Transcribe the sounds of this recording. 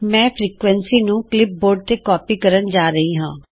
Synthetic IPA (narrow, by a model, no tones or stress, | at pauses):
mɛ̃ːpʰɾiːkʋɛnsiːnũːklɪp̚boːɾɖ̚t̪eːkɔːpiːkəɾənd͡ʒaːɾəɦiːɦãː